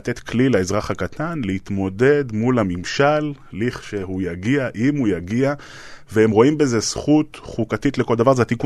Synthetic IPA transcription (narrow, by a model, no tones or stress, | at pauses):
t̪e̞t̪klileezʁaχhakat̪ʰanleit̪mo̞de̞dmulamimʃalː | iχʃe̞hujaɡiaʔimhujaɡia | veemʁo̞imbe̞ze̞sχutχukatitle̞ko̞ld̪avaʁzeat̪iku